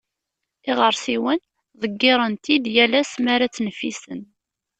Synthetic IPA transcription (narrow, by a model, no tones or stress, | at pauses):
ɪʁəɾˤsiwən | ðˤəɡːɪɾˤənt̪id̪jælæsmaɾat͡sːnəfisən